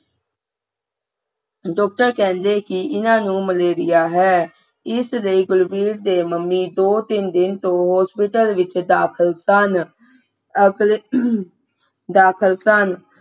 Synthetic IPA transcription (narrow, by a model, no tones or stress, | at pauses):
ɖɔːk̚ʈəɾkɛ̃ːnd̪eːkɪɪnãːnũːməleːɾɪjaːɦɛː | ɪsləiɡʊlbiːɾd̪eːməmːiːd̪oːt̪ɪnd̪ɪnt̪õːɦɔːspɪʈəlʋɪt͡ʃd̪aːkʰəlsn | d̪aːkʰəlsən